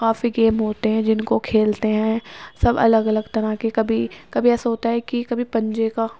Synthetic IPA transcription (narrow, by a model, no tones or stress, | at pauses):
kaːfiɡeːmɦoːt̪eɦɛ̃d͡ʒɪnkokʰeːlt̪eɦɛ̃ːsɐbɐ̰ləɡɐləɡt̪ɐɾakekɐbʱikɐbʱiɛːsaɦoːt̪aɦɛkikɐbʱipɐ̃ɲd͡ʒeka